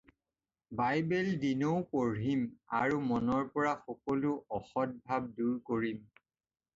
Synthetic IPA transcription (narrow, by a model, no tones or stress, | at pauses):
bajbɛldinowpoɹɦima̰ɹumɔnɔɹpɔɹaxɔkɔlʊɔxɔt̚bʱab̚duɹkoɹim